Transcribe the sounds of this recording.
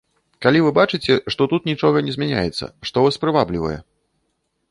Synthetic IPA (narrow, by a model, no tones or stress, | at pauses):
kalʲivɨbat͡ʂɨt͡sʲɛʂt̪ɔt̪ut̪nʲit͡ʂɔɣɐnʲɛzʲmʲɛnʲa̰jɛt̪sːɐ̰ʂt̪ɔvaspɾɨvablʲivɐ̰jɛ̰